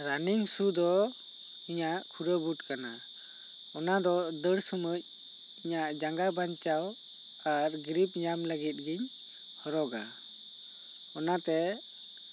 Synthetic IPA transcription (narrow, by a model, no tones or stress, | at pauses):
ɾaniŋsud̪ɔ | iɲaʔkʰuɾəbuʈkana | ɔnad̪ɔd̪əɽsəməc̚ | iɲaʔd͡ʒaŋɡabaɲt͡ʃaw | aɾɡɾip̚ɲamləɡit̪̚ɡiɲ | hɔɾɔɡa̰ | ɔnat̪ɛ